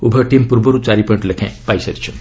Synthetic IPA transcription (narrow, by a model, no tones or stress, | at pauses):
ubʱəʈimpuɾboɾut͡saɾipə̃ɳʈlekʰɛ̰̃pajsɐɾit͡ʃʰu